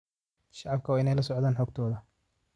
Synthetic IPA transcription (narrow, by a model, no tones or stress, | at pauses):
ʃɑʕɑb̚kʰɐwɪnɛjlɐsɔʕd̪aːnħɔːɡt̪ʰɔːðɐ